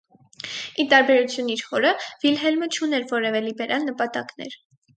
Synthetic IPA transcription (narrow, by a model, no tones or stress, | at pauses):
it̪ɑɾbɛɾut͡sʰjuniɾhɔɾəv̥ilɦɛlmət͡ʃʰunɛɾvɔɾɛvɛlibɛɾʔɑlnəpɑt̪ɑknɛ̰ɾ